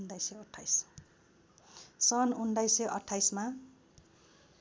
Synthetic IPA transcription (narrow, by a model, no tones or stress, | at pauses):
nɖajsʌʌʈʰːajs | sʌnunɖajseʔʌ̰ʈʰːajsma